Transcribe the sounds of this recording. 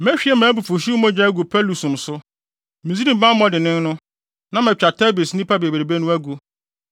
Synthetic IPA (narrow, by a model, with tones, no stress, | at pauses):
mɛ̃˦ɕᶣi˦ɛ˦mãː˨˦bu˨fu˨ɕi˦mɔ̃˦d͡ʑᶣa˦ɡu˨pʰɛ˦lu˨sũ˨msʊ˦ | mĩ˨si˦ɾĩ˦˨m̩˨bã˦m̩˦mɔ̃˦dɪ˨nɪ̃˦n˦nʊ̃˦ | nã˦mɛ̃˨t͡ɕᶣa˨tʰɛ˦bi˨snɪ̃˦pʰa˦be˨be˨ɾe˨be˦nʊ̃˦æ˦ɡu˦